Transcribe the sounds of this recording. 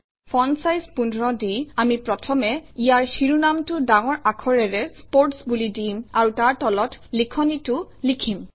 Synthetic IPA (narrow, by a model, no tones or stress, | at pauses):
pʰɔnsajspundʱɹɔdiamipɹɔtʰɔmɛijaɹxiɹunamtʊdaŋɔɹakʰɔɹɛɹɛspoɹtsbulidimaɹutaɹtɔlɔtlikʰɔnitʊlikʰim